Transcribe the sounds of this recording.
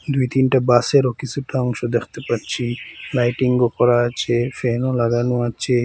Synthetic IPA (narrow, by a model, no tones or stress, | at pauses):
d̪ujt̪inʈabaseɾokit͡ɕʰuʈaɔŋʃod̪ekʰt̪epaɾt͡ɕʰilajʈiŋɡopɔɾat͡ʃʰefeɦnolaɡanuat͡ɕʰe